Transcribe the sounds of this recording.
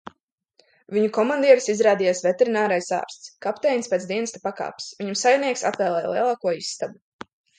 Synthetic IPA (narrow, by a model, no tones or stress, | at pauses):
viɲukɔmand̪iɛɾisizɾaːd̪ijaːsvɛt̪ɛɾinaːɾajsa̰ːɾst̪skapt̪ɛjnspeːt̪d̪iɛnɨst̪apaka̰ːpsviɲamsajniɛksa̰pvɛːlˠɛːjlˠiɛlˠaːkuɔisːt̪abu